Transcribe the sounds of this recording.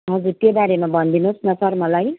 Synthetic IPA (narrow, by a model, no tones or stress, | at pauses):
ɦʌd͡zuɾt̪jebaɾemabʱʌnd̪ʱinusnʌsʌrmʌlaj